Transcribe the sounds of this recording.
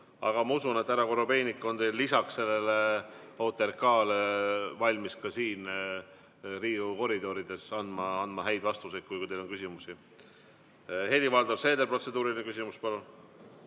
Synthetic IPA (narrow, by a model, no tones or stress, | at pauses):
ɑ̰ɡ̥ɑmɑusune̞t̪ːæɾɑko̞ɾope̞jnikːˑo̞nt̪e̞jlːisɑksse̞lːe̞leo̞t̪ːˑeɾkɑːlevɑlʲmiskɑsiːn | riːuko̞ɾid̪̥o̞ɾid̪̥e̞sɑnd̪mɑɑnd̪mɑɦæjd̪̥vɑst̪uset̪̚kːujkujt̪e̞jlo̞nkysimusi | helʲivɑld̪orse̞ːd̪e̞lpro̞t̪se̞d̪uːɾilinekysimuspɑlun